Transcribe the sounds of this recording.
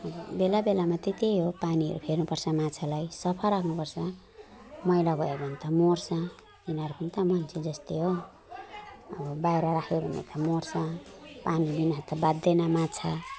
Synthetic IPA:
ʌbbelabelamat̪et̪eɦopaniɦʌ̰ɾṵpʰernupʌrsʰʌmat͡sʰalajsʌpʰʌlrakʰnupʌrsʰʌ | mʌjlabʱʌjebʱʌnt̪ʌmorsʰʌ | inʌɾukʰunt̪amʌnt͡sʰed͡zʌst̪eɦo | ʌbʌbajɾaɾakʰebʱʌnḛt̪ʰʌmorsʰʌpanibinʌt̪abad̪ːenamat͡sʰa

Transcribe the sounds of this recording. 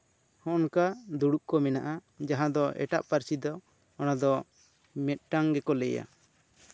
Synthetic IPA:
hɔ̃ʔnkad̪uɽuʔkɔmɛnaʔa | d͡ʒaɦãd̪ɔʔɛ̰ʈaʔpaɾsid̪ɔ | ɔnad̪ɔ | mɛt̪̚ˀʈaŋɡɛkɔlɛja̰

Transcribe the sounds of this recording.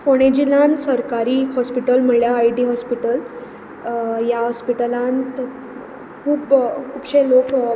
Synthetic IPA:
foɽ̃ed͡ʑilãnsəɾkaɾiːhɔspiʈəlm̤əɳljaːiʈiːɦɔspiʈəl | jaɦɔspiʈəlãnt̪ | kʰuːpkʰuːbɕelok

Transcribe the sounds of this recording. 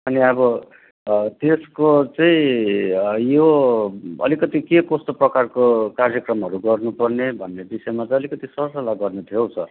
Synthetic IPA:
ʌniʌbʌ | t̪eskot͡sʌĩ | jo | ʌ̰likʌt̪ikekost̪ʌprʌkarkokarjʌkrʌmɦʌɾuɡʌrnupʌrnebʱʌnːebisʌjmat͡sʌ̃j̃ʌlikʌt̪isʌsʌlaɡʌrnet̪ʰijowsʰʌ

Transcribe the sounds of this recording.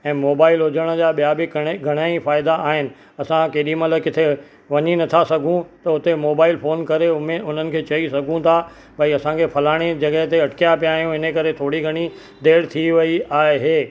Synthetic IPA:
ɛ̃ːmoːbaːɪlɦʊd͡ʑəɽ̃ə̆d͡ʑaːɓijabɪkɡʱɐɽ̃aːifaːɪd̪aʔaːɦɪnɪ̆ | ɐsãkeːɗimɐləkɪt̪ʰe | ʋɐɲinɐt̪ʰasɐɡʱũt̪ɐʊt̪emoːbaːɪlfoːnkɐɾeʊmẽʊn̤ənɪ̆kʰeːt͡ɕɐisɐɡʱũt̪ʰa | bɐiɐsãkʰepʰɐlaːɽ̃ed͡ʑɐɠəɦɪt̪eɐʈkijapijaːɦijũɪnəkɐɾet̪ʰoːɽiɡʱɐɽ̃i | d̪eːɽt̪ʰiʋɐiaːeɦeː

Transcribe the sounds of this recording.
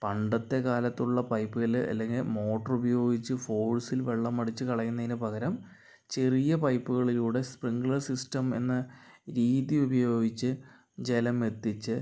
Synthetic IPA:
pɐɳɖɐt̪ːe̞kaːlɐt̪ːuɭːɐpɐjpːuɣɐlɐ̰lːe̞ŋɡilmo̞ːʈːɐrubɐjo̞ːɡit͡ɕːɨfo̞ːɭsilʋe̞ɭːɐmːɐɽit͡ɕːɨkɐɭɐjːunːɐðinɨpɐɣɐɾɐm | t͡ɕe̞rijɐpɐjpːuɣɐɭiluːɽe̞spriŋɡɭɐrsistɐme̞̰nːɨɾiːðiubɐjo̞ːɡit͡ɕːɨ | d͡ʑe̞lɐme̞t̪ːit͡ɕːɨ

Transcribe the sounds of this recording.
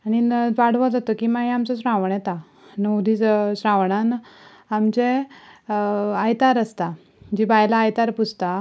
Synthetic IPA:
aɽ̃iʋaɽ̤ʋad͡z̪at̪okiːmaɦiamt͡sɔsɾãʋɳɛt̪a | nəwd̪ʱit͡ssɾãʋɳan | amt͡ɕe | ajt̪aɾəst̪a | d͡ʑibajlaːjt̪aɾput͡sʰt̪a

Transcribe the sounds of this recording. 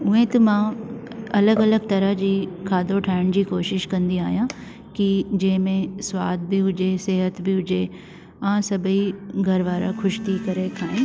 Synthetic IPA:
ʊ̃ɦẽt̪ɐmãː | ɐləɡɐləɡ̚t̪ɐɾəɦd͡ʑiːkʰaːd̪oʈʰaːɪɽ̃d͡ʑiːkoːʃɪʃkɐ̃nd̪ia̰ːɦijã | kid͡ʑɐːɦɪ̃mẽswa̰ːd̪̚bʱiɦʊd͡ʒeseːɦət̪bʱiɦʊd͡ʑe | ãːsɐbʱiɡʱɐɾʋaːɾakʰʊʃt̪ʰiːkɐɾekʰaːẽ

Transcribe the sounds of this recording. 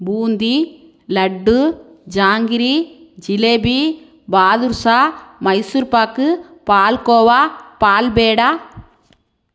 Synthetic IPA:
buːnd̪i | lɐɖːɯ | d͡ʒaːŋɡɪɾi | d͡ʒɪleːbi | baːðuɾsaːmɐɪsuɾpaːkːɯpaːlkoːʋaːpaːlbeːɽaː

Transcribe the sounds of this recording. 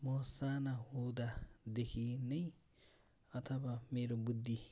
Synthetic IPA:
mosanaɦod̪ad̪ekʰinʌj | ʌt̪ʰʌbameɾobud̪ʱːi

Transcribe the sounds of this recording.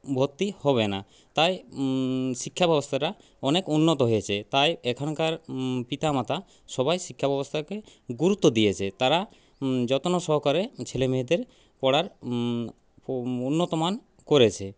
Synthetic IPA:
bʱot̪ːihɔβena | t̪aj | ʃikʰːabɛbost̪ʰaɾa | ɔnekunːot̪oɦojet͡ɕʰet̪ajɛkʰɔnkaɾpit̪amat̪ʰa | ʃɔbajʃikʰːabɛbost̪ʰakeɡuɾut̪ːod̪ijet͡ɕʰet̪aɾa | d͡ʑɔt̪onosɔɦɔkaɾet͡ɕʰelemeɦed̪eɾ | pɔɽaɾ | unːot̪oman | koɾet͡ɕʰe

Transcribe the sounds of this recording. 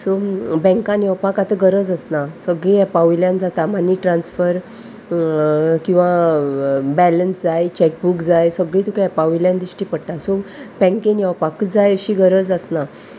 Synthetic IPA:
sobɛ̃ŋkãnjɛwpakat̪əɡəɾəd͡zəsnasəɡɭĩːɛpaʋiljãnd͡zat̪amanːiːʈɾãnsfəɾ | kĩw̃ʋa | bɛlənsd͡zajt͡ɕɛk̚bukd͡zajsəɡɭiːt̪ukaɛpaʋiljãnd̪iɕʈiːpəɽʈ̪asobɛ̃ŋkenjɛwpakd͡zajɕiːɡəɾəd͡zəsna

